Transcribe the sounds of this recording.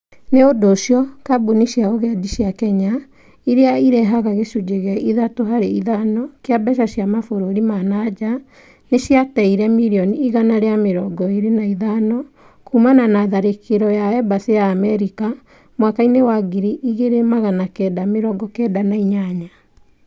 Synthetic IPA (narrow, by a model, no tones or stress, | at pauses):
neodoːʃjɔkaboniʃjaoɣɛdiɕjakɛɲa | iɾeaiɾɛɦaɣaɣesud͡ʒeɣɛʔiðatoɦaɾeiðanɔkeabɛʃaɕjamafoɾoɾimanad͡ʒa | neʃjatɛiɾɛmiɾiɔniiɣanaɾeameɾɔɡɔeɾenaiðanɔ | kumananaðaɾekeɾɔjaɛbasejaːmɛɾika | mwakainewaɡiɾiʔiɣeɾemaɣanakɛdameɾɔɡɔkɛːdanaiɲaɲa